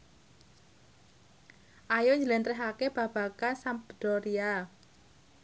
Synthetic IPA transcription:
ʔajoɲd͡ʒəlɛnt̪ɾɛɦakeb̥ä̤b̥a̤kansambəd̪̥ɔɾia

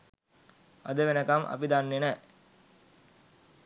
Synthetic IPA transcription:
a̰d̪əʋenəkamʔa̰pid̪anːenɛ

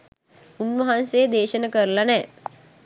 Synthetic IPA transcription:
unʋɐɦansejəd̪eːʃənəkəɾlanɛː

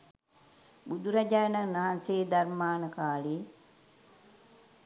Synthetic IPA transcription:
bud̪uɾaɟaːnaŋnːaɦanseːd̪aɾmaːnəkaːli

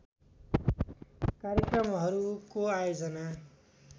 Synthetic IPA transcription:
kaɾjʌkrʌmɦʌɾukoajod͡zʌna

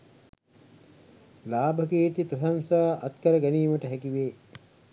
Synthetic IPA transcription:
laːbʱəkeːt̪ipɾɐsansaːʔɐt̪kɐɾəɡæniːməʈəɦækiʋeː

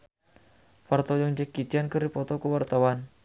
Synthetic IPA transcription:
fart̪ɔjəŋd͡ʒəkːit͡ʃiankəripɔt̪ɔkəwart̪awan

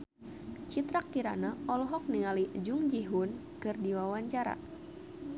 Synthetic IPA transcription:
t͡ʃit̪ɾakːiɾanaɔlɔɦɔk̚niŋaliʔd͡ʒʊŋd͡ʒiɦʊn | kɨrdiwawaɲt͡ʃaɾa̰

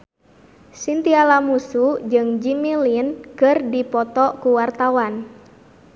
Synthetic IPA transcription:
sint̪ialamusud͡ʒɨŋd͡ʒimilinkɨrdipɔt̪ɔkuwart̪awan

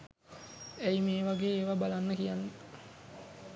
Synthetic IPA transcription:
æimeːʋaɡeːeʋabalanːəkijanːə

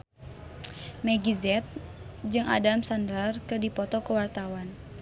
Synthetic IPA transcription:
mɛɡizɛt̪̚ | d͡ʒɨŋʔa̰damsandlarkɨrdipɔt̪ɔkəwart̪awan

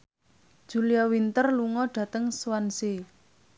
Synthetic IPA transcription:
d̥ʒ̥ṳliawint̪ərluŋɔɖ̥ä̤t̪əŋswanse

